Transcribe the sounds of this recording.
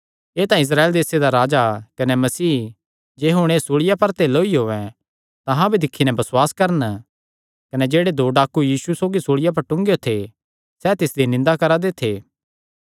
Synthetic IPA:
eːt̪ãɪs̬ɾaːeld̪eːsed̪aɾaːd͡ʒakɐnɛmɐsiː | d͡ʒeːɦʊɽ̃eːsoɽɪjapɐɾt̪eloːiɦoːʋɛ̃ | t̪ɐɦãbʱid̪ɪkʰːinɛbɐswaːskɐɾən | kɐnɛd͡ʒeːɽed̪oːɖaːkujiːsusoːɡisoːɽɪjap̬ɐɾʈʊ̃ŋɡjot̪ʰe | sɛːt̪ɪsd̪inɪ̃nd̪akɐɾad̪et̪ʰeː

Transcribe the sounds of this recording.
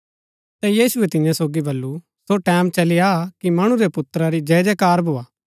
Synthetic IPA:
t̪ɛjiːsʊɛt̪ɪ̃jãsoːɡibɐlːu | soʈɛːmt͡ʃɐlɪjakimɐɽ̃ũɾepʊt̪ɾaɾid͡ʒɛːd͡ʒekaːɾbʱoːaː

